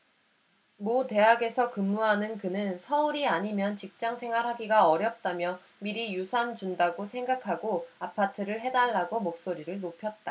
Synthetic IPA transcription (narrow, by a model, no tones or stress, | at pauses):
mote̞ɦaɡe̞sʰʌkɯmːuɦanɯnkɯnɯnsʰʌuɾiaɲimjʌnt͡ɕik̚t͡ɕ͈aŋsʰe̞ŋwaɾɦaɡiɡaʌɾjʌp̚t͈amjʌ | miɾijusʰand͡ʑundaɡosʰe̞ŋɡakʰaɡoapʰatʰɯɾɯɭɦe̞daɭːaɡomok̚s͈oɾiɾɯɭnopʰjʌt̚t͈a